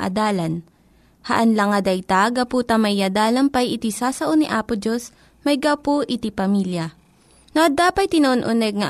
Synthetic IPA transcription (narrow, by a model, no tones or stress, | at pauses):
ʔɐ̰d̪aːlɐn | hɐʔɐnlɐŋɐd̪ɐjt̪aɡɐpuːt̪ɐmɐjːad̪aːlɐnpɐjɪt̪isaːsɐʔonɪʔaːpʊd͡ʒos | mɐjɡawpoʔɪt̪ipɐmiljɐ | noʔɐd̪aːpɐjt̪ɪnoʔonʔʊnɛɡ̚ŋɐ